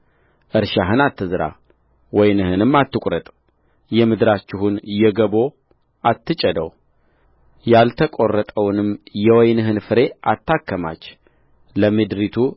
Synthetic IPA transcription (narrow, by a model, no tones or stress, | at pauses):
ʔɨɾʃaɦɨnat̪ːɨzɨɾa̰ | wɔjnɨhɨnɨmːat̪ːɨkʷʼɾət̪ʼ | jɛmɨd̪ɾat͡ʃːɪhunjɛɡəbo̞ | at̪ːɨt͡ʃʼəd̪əw | jalt̪ʰəkʷʼo̞rːət̪ʼəwnɨmjɛwɔjnɨɦɨnfɨɾe̞ʔat̪ːakːəma̰t͡ʃː | ləmɨd̪ɾit̪ʰu